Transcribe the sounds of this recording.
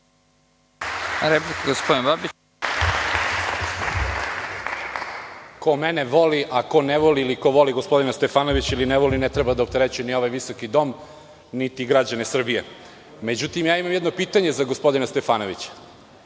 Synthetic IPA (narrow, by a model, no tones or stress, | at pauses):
ɾeplikaɡospod̪inbabi | ko̞mene̞ʋo̞liʔako̞neʋo̞liliko̞ʋo̞liɡospo̞d̪inast̪e̞faːno̞ʋit͡ɕilineʋo̞linet̪ɾebad̪aop̚t̪e̞ɾet͡ɕujenio̞ʋajʋiso̞kid̪o̞m | nit̪iɡɾad͡ʑanesr̩bije | me̞d͡ʑut̪imjaːimamjed̪no̞piːt̪aɲe̞zaɡospo̞d̪inast̪e̞faːno̞ʋit͡ɕḁ